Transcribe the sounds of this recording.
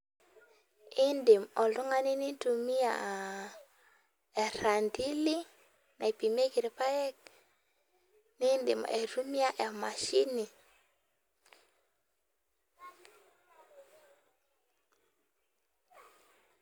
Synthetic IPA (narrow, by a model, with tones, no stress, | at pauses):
ɪ˦ndi˨mɔ˨lu˦ŋa˦ni˦ni˦tu˨mi˦a̰˨ | e˨ɾa˨ndi˦li˦ | nʔa˨e˨pi˨me˦ki˨ɾe˨pa˦jɛ˦k̚ | ni˦ndɪ̰˨m˨e˨ɾu˦mi˦a˦ʔe˨ma˨ʃi˦ni˨